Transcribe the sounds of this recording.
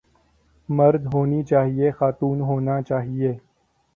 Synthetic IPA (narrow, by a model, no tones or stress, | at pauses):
mɐɾd̪ɦoːnit͡ʃaːɦiexaːt̪uːnɦoːnat͡ʃaːɦieː